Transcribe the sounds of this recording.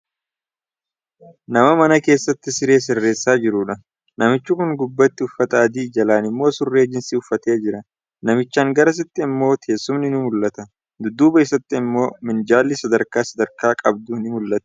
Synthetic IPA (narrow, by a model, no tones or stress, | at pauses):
nɐmɐmɐnɐke̞ːsːɐt̪ːɪsɪɾe̞ːs̬ɪrːe̞ːsːaːd͡ʒɪɾʊᶑɐ | nɐmɪt͡ʃːʊkʊŋɡʊbːɐt̪ːɪʊfːɐt̪ɐɐd̪iːd͡ʒɐlaːnɪmːo̞ːsʊrːe̞ːd͡ʒɪnsiːʊfːɐt̪e̞ːd͡ʒɪɾɐ | nɐmɪt͡ʃːaːŋɡɐɾɐs̬ɪt̪ːɪːmːo̞ːt̪ʰeːsːʊmnɪnʊmʊlːɐt̪ɐ | d̪ʊd̪uːbɐɪsɐt̪ːɪːmːo̞ːmɪnd͡ʒaːlːɪsɐd̪ɐɾkaːsɐd̪ɐɾkaːkʼɐb̚d̪unɪmʊlːɐt̪ɐ̥